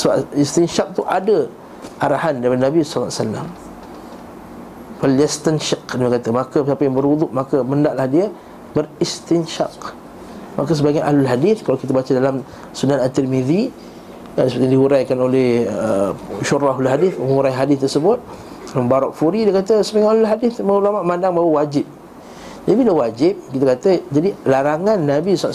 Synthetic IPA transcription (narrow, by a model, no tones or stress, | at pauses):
səbaist̪inʃak̚t̪uʔadə | ʔaɾahandapanabislːasalːam | faljɛst̪ənʃaqdiməkat̪amakəpsapəjaŋbəɾud̪uʔmakəməndaʔlahdia | bərist̪inʃa̰q | makasəbaɡajʔahlulɦadɪθkalawkit̪abat͡ʃadalam | sunanant̪ərmid̪i | adsəpət̪ijãdiɦuɾajkanolɛhəʃurʔaɦlʊlɦadɪθməŋuɾajɦadɪθt̪ərsəbʊt̪̚ | dalambaɾɔʔfuɾidiəkat̪əsəbaɡajalʊlɦadɪθməulamaʔmandaŋbawəwad͡ʒɪp̚ | d͡ʒadibiləwad͡ʒɪp̚kit̪akat̪əd͡ʒadilaɾaŋanːabisaʔ